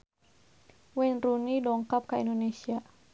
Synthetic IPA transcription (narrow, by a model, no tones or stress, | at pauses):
wɛnrunidɔŋkap̚kaḭndonesia